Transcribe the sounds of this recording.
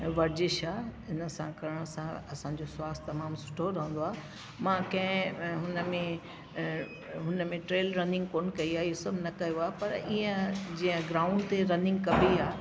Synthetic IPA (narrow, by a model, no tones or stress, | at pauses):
ʋɐɾd͡ʑɪʃaːɪnə̆sãkɐɾəɽ̃əsãɐsãːɲd͡ʑoswaːst̪ɐmaːmsʊ̥ʈʰoɾɐɦə̃nd̪oaː | mãːkɐ̃ɦɪ̃ɦʊnəmẽ | ɦʊnəmẽʈɾeːlɾɐnɪ̃ŋɡ̚koːnkɐiaːɪɦosɐbʱnɐkɐjoaːɦpɐɾiːə̃d͡ʑĩːə̃ɡɾaːʊ̃ɳɖt̪eɾɐnɪ̃ŋɡkɐbʱiaː